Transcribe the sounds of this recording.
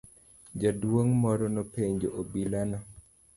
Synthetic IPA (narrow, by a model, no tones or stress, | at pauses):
d͡ʒadwoŋmɔɾɔnɔpeɲd͡ʒoʔobilana